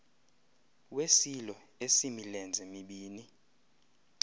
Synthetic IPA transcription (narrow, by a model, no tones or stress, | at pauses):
wesilɔesimilɛnd͡zʱemiɓiːni